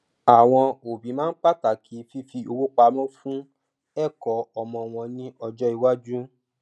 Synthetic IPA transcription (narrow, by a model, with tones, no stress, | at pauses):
a˨w̃ɔ̃˧o˨bĩ˨˦mãː˦n̩˦k͡pa˦ta˨kʰi˨˦fi˧fi˧o˧wu˦k͡pa˧˦mɔ̃˦fũ˦ | ɛ˦˨kɔ˨˦ɔ˧mɔ̃˧w̃ɔ̃˧nĩ˦ʔɔ˧d͡ʒɔ˦i˧wa˦d͡ʒu˦